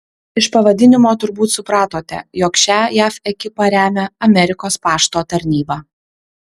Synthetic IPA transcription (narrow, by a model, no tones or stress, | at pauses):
ɪʃpɐʋɐd̪ʲɪnʲɪmoːt̪ʊɾbuːt̪sʊpɾɑːt̪oːt̪ʲɛ̰jɔːkʃʲæːjæːfɛkʲɪpɐɾʲæːmʲɛɐmʲɛɾʲɪkoːspɑːʃt̪oːt̪ɐɾʲnʲiːbɑː